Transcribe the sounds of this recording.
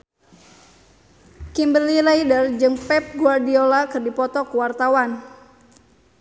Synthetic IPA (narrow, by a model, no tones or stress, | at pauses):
kimbəlilaidərd͡ʒɨŋpɛp̚ɡuardiolakɨrdipɔt̪ɔkuwart̪awan